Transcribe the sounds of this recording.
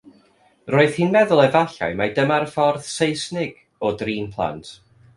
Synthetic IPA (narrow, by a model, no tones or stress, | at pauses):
roːɨð̥hiːnmɛðʊlˠɛvaɬa̰jmadəmarfɔrð̥sejsnɪɡ̥ | ɔdriːnpʰlˠa̰ntʰ